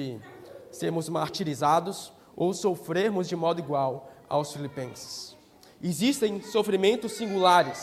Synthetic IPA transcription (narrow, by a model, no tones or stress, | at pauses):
ɪseɾmʊzmaɾt͡ʃiɾizad̪ʊs | owsofɾeɾmʊzd͡ʒɪmɔd̪ʊiɡwawa̰wsfilipẽsɪ̥s | ezist̪ẽj̃sofɾimẽnt̪ʊsːĩŋɡulaɾɪs